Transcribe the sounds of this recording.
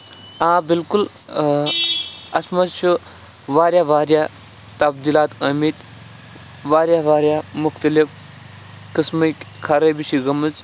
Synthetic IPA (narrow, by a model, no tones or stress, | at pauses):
ãːbilkul | ɐsmɐtt͡ʃʰu | ʋaːɾjaʋaːɾja | t̪ɐbd̪iːlaːt̪ɐmit̪ | ʋaːɾʲjaʋaːɾʲjamʊxt̪ɐlif | kismɐkʲ | kʰɐɾɐbiʃiɡɐmɨt͡s